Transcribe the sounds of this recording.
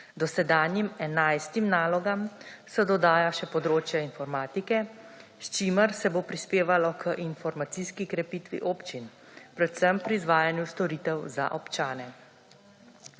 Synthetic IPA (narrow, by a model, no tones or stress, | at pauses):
d̪ɔsɛd̪aːnjimɛnajst̪imnaːlɔɡamsɔd̪ɔd̪aːjaʃɛpɔd̪ɾoːt͡ʃjainfɔɾmaːt̪ikɛst͡ʃiːməɾsɛbopɾispeːʋalɔkʰəʔinfɔɾmat̪siːskikɾɛpiːt̪ʋḭʔoːpt͡ʃin | pɾɛt̪səmpɾiːzʋaːjanjust̪ɔɾiːt̪ɛwza̰ʔɔpt͡ʃaːnɛ